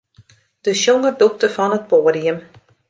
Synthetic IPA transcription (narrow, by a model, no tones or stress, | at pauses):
d̥əʃjoŋərduk̚təfɔnət̚poːdiəm